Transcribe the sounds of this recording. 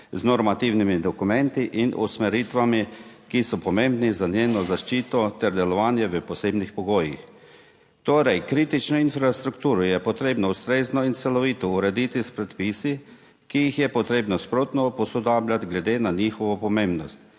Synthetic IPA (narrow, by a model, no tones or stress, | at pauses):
znɔɾmat̪iwnimid̪ɔkumɛnt̪iʔinʔṵsmɛɾit̪ʋami | kisɔpɔmẽmbnizanjeːnɔzaʃt͡ʃiːt̪ɔt̪ɛɾd̪ɛlɔʋaːnjɛʋəpɔseːbnixpɔɡoːjḭx | t̪oːɾɛjkɾiːt̪it͡ʃnɔinfɾast̪ɾukt̪uːɾɔjɛpɔt̪ɾeːbnɔust̪ɾeːznɔint̪sɛlɔʋiːt̪ɔuɾɛd̪it̪ispɾɛt̪pisi | kijixjɛpɔt̪ɾeːbnɔspɾoːt̪nɔpɔsɔd̪aːblʲat̪ɡlɛd̪eːnanixɔʋɔpɔmembnɔst̪